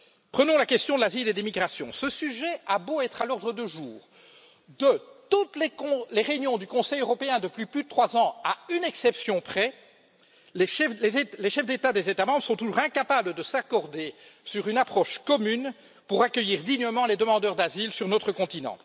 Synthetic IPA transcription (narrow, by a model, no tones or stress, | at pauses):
pχənɔ̃lakʲɛst̪jɔ̃d̪əlaziled̪imiɡʁasjɔ̰̃səsyʒɛaboɛt̪χalɔʁd̪ʁəd̪əʒuːʁ | d̪ət̪ut̪lekɔ̃leʁeynjɔ̃d̪ykɔ̃sɛjøʁɔpeɛ̃d̪əplyplyd̪ət̪χwazɑ̃aynɛksɛpsjɔ̃pχɛ | leɛleleʃɛfd̪et̪ad̪ezet̪amɑ̃bʁəsɔ̃t̪uʒuʁɛ̃kapabləd̪əsakɔʁd̪esyʁynapχɔʃkɔmyn | puʁakʲəjiːʁd̪iɲəmɑ̃led̪əmɑ̃d̪œʁd̪azilsyʁnot̪χəkɔ̃t̪inɑ̰̃